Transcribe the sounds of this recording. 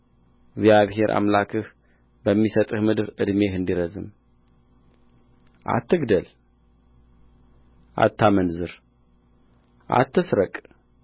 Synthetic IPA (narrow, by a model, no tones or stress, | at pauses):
ɡzjaβɦe̞ɾʔa̰mlakʰɨh | bəmːisət̪ʼɨhmɨd̪ɨɾɨd̪mehɨnd̪iɾəzɨ̰m | ʔa̰t̪ʰːɨɡd̪əl | ʔa̰t̪ʰːamənzɨɾ | ʔa̰t̪ʰːɨsɾəkʼ